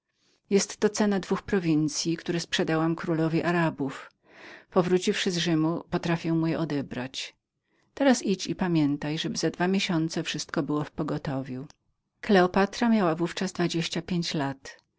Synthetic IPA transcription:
jɛst̪ːɔt̪sɛnad̪vuxpɾɔvʲint̪sʲjikt̪uɾɛspʂɛd̪awamkɾulɔvʲiʔaɾabuf | pɔvɾut͡ɕifʂɘzʐɘmupɔt̪ɾafʲjɛwmujɛʔɔd̪ɛbɾa̰t͡ɕ | t̪ɛɾasit͡ɕipamʲjɛnt̪ajʐɛbɘzad̪vamʲjeɕɔnt̪sɛfʂɘst̪kɔbɘwɔfpɔɡɔt̪ɔvʲju | klɛɔpat̪ɾamʲjawavuft͡ʂazd̪vad͡ʑeɕt͡ɕapʲjeɲt͡ɕlat̪

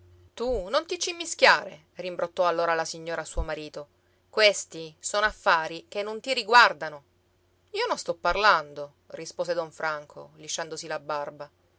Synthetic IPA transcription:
t̪unont̪it͡ʃimːiskjaːɾe | rimbɾot̪ːɔalːoːɾalasiɲːoːɾasuːomaɾiːt̪o | kwest̪isonoafːaːɾikenːont̪iɾiɡward̪ano | iːononst̪ɔpːarland̪o | rispoːsed̪ɔɱfɾaŋkʰo̰liʃːand̪osilabarba

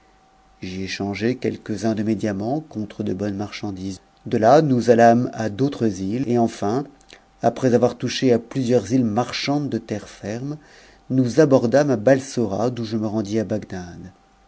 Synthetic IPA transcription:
ʒeeʃɑ̃ʒekʲɛ̰lkəzɛ̃d̪əmed̪jamɑ̃kɔ̃t̪χəd̪əbɔnmaʁʃɑ̃d̪iːz | d̪əlanuzalamad̪ot̪χəzileɑ̃fɛ̃ | apχɛzavwaʁt̪uʃeaplyzjœʁzilmaʁʃɑ̃d̪d̪ət̪ɛʁfɛʁm | nuzabɔʁd̪amabalsoʁa̰d̪ũʒəməʁɑ̃d̪iabaɡd̪ad̪

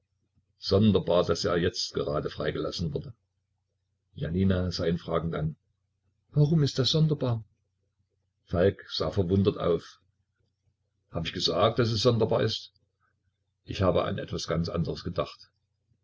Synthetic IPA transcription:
z̥ɔndɐbaːɐdasʔḛːɐjɛt͡stɡ̥əʁaːdəfʁ̥aɪɡəla̰sn̩vʊɐdə | ja̰niːnaz̥aɪnfʁ̥aːɡŋ̩dan | vaʁʊmɪst̚d̥asz̥ɔndɐbaːɐ | falkz̥a̰ːfɛɐvʊndɐtʔa̰ʊf | haːbəɪçɡ̥əzaːk̚t̚d̥as̬ɛsz̥ɔndɐbaːɐʔɪst | ʔɪçhaːbə̰ʔa̰nʔɛ̰tv̥asɡ̥ant͡sʔa̰ndəʁəsɡ̥ədaχt

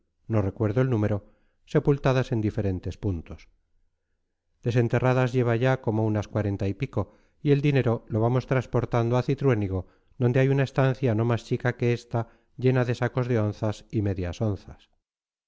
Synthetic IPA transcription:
no̞re̞kwe̞ɾðoe̞lnũme̞ɾo̞ | se̞pult̪aðase̞nd̪ife̞ɾe̞nt̪e̞spunt̪o̞s | d̪̥e̞se̞nt̪e̞raðazʝe̞β̞aʝako̞mounaskwaɾe̞nt̪aipiko̞ | ie̞ld̪ine̞ɾo̞lo̞β̞amo̞st̪ɾaspo̞ɾt̪and̪oaθit̪ɾwe̞niɣo̞ | d̪o̞nd̪e̞ajunae̞st̪anθjano̞mast͡ʃikake̞est̪a | ʝe̞naðe̞sako̞zðe̞o̞nθasime̞ðjaso̞nθas

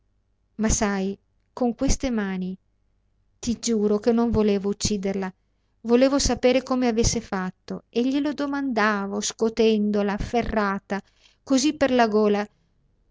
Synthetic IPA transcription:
masaj | koŋkwest̪emaːni | t̪id͡ʒuːɾokenːoɱvoleːvout͡ʃːiːd̪erla | voleːvosapeːɾekomeavesːefat̪ːoeʎːelod̪omand̪aːvoskot̪ɛnd̪olaferːaːt̪a | kozipːerlaɡoːla

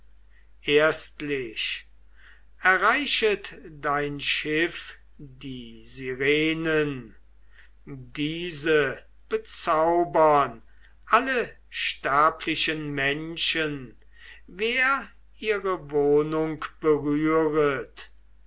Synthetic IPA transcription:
ʔeɐstlɪʃ | ɛɐʁaɪʃətdaɪnʃɪf | diːziʁeːnən | diːzə | b̥ət͡saʊbɐn | ʔalə | ʃtaːpʰlɪʃənmɛnʃən | veːɐ | iːʁəvoːnʊŋkb̥əʁyːʁət

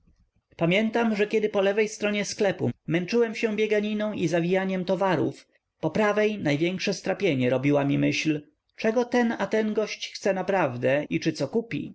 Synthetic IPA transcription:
pamʲjɛnt̪amʐɛkʲjɛd̪ɘpɔlɛvɛjst̪ɾɔɲɛsklɛpṵmɛnt͡ʂɘwɛmɕɛ̃bʲjɛɡaɲinɔ̃w̃ʔizavʲijaɲɛmt̪ɔvaɾṵf | pɔpɾavɛjnajvʲjɛŋkʂɛst̪ɾapʲjeɲɛɾɔbʲiwamʲimɘɕl | t͡ʂɛɡɔt̪ɛnat̪ɛnɡɔɕt͡ɕxt̪sɛnapɾavd̪ɛit͡ʂɘt̪sɔkupʲḭ

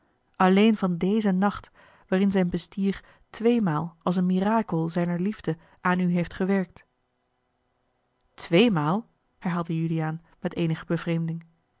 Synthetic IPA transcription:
ʔɑlejnvɑndejzənɑχt | ʋaːrɪnzɛjnbəstiːɹ | tʋejmaːlˠɑlˠsənmiraːkəlˠzɛjnəɹlivdə | ʔaːnyɦejftχəʋɛɹk̚t | tʋejmaːlˠ | hɛɹɦaːlˠdəjylijaːn | mɛtejnəχəbəvrejmdɪŋ

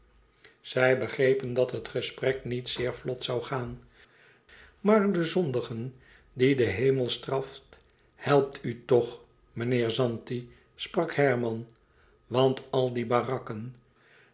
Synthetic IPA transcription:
z̥ɛjbəχrejpəndɑtɦətχəsprɛknitsɪːɹflɔtsawχaːn | maːɹdəzɔndəχən | didəɦejməlˠstrɑft | hɛlˠp̚tʰytɔχ | mənɪːɹzɑnti | sprɑkhɛɹmɑn | ʋɑntɑlˠdibaːrɑkən

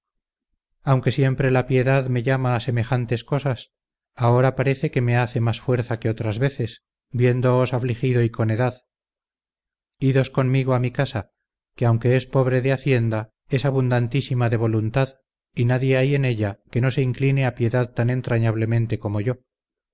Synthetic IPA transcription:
awŋkesje̞mpɾe̞lapje̞ðaðme̞ʝamaːse̞me̞χant̪e̞sko̞sas | ao̞ɾapaɾe̞θe̞ke̞me̞aθe̞masfwe̞ɾθake̞o̞t̪ɾazβe̞θe̞s | bje̞nd̪o̞ːsaflixiðo̞iko̞neðað | iðosko̞nmiɣoamikasa | keawŋke̞espo̞β̞ɾe̞ðeaθje̞nd̪a | e̞saβund̪ant̪isimaðe̞β̞o̞lunt̪að | inaðje̞aje̞ne̞ʎake̞no̞se̞iŋklineapje̞ðaðt̪ane̞nt̪ɾaɲaβ̞le̞mẽ̞nt̪e̞ko̞mo̞ʝo̞

